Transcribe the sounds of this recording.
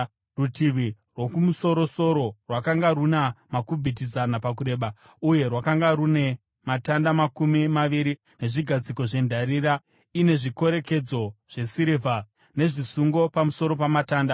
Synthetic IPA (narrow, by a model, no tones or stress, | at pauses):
rutiʋi | rwo̞kumuso̞ɾo̞so̞ɾo̞rwakaŋɡaɾunamakubʱit̬izanapak̬uɾe̞ːɓa | uje̞rwakaŋɡaɾune̞ | matandamakumimaʋiɾi | ne̞ʐiɡʱad͡ziko̞ʐe̞ndʱaɾiɾa | ine̞ʐiko̞ɾe̞ke̞d͡zo̞ʐ̥e̞siɾivʱa | ne̞ʐisuŋɡo̞pamuso̞ɾo̞pamataːnda